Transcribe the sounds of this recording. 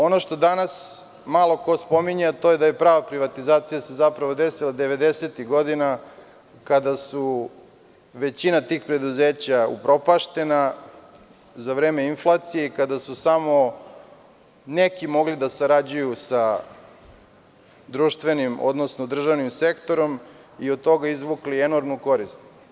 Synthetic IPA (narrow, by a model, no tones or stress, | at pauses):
o̞noʃt̪o̞d̪anas | malˠo̞kospo̞miɲaat̪o̞jed̪ajepɾaːʋapɾiʋat̪izaːt̪sijasezapɾaʋo̞d̪esilˠad̪e̞ʋe̞d̪e̞set̪iɣɡo̞d̪ina | kad̪asu | ʋe̞t͡ɕinat̪iːxpɾe̞d̪uzeːt͡ɕaṵpɾo̞paʃt̪e̞na | zaʋɾeːme̞inflˠaːt̪sijekad̪asusamo̞ | nekimo̞ɡlid̪asaɾad͡ʑujusa | d̪ɾuːʃt̪ʋe̞nimo̰d̪nosnod̪r̩ʒaʋnimse̞kt̪o̞ɾo̞miod̪̚t̪o̞ɡaizʋuklie̞no̞ɾmnuko̞ɾist̪̚